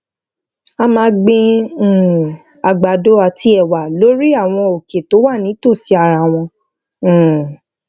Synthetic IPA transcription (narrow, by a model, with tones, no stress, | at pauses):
a˧mãː˧˦ɡ͡bẽ˧˨ | a˨ɡ͡ba˨do˨˦a˨tʰi˧˦ɛ˨wa˨lo˨˦ɾi˦a˦˨w̃ɔ̃˧o˨ke˨to˨˦wa˦˨nĩ˨˦to˦˨si˨˦a˨ɾa˨w̃ɔ̃˧˦˨